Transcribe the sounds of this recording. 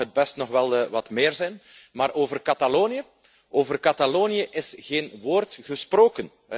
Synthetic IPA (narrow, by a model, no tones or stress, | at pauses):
əd̚bɛstnɔxʋɛlˠʋɑtmɪːrzɛjnmaːɾʔoːvərkataloːnijə | ʔoːvərkataloːniəʔɪsɣeːnʋoːrtɣəsproːkən